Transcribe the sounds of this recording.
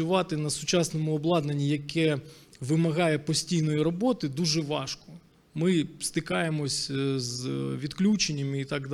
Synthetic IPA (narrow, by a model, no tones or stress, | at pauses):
ʊʋɑt̪ɪnɐsʊt͡ʃɑsnɔmʊɔblˠɑd̪nɐnʲːijɐkɛʋɪmɐɣɑjɛpɔsʲtʲijnɔjiɾɔbɔt̪ɪd̪uʒɛʋɑʃkɔ | mɪst̪ɪkɑjemɔsʲzʋʲid̪klʲut͡ʃenʲːɐmit̪ɑɡd̪